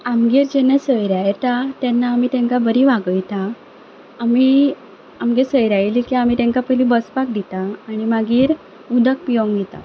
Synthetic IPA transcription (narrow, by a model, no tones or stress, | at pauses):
amɡiːɾd͡ʑenːasəjɾajt̪at̪jɛnːaːmiːt̪ɛ̃ŋkabəɾiʋaɡəjt̪aː | mi | amɡesəjɾajlikiam̤iːt̪ɛ̃ŋkapəlĩbəspak̚d̪it̪aːɽ̃imaɡiːɾ | ud̪ək̚pioŋɡet̪a̰